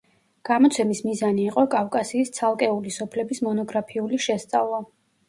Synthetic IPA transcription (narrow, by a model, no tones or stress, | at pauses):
ɡ̥amɔt̪sʰɛmismizaniːqʼɔkʼafkʼasiːst̪sʰalˠkʼɛulisɔpʰlɛbismɔnɔɡɾapʰiuliʃɛst̪sʼavlˠa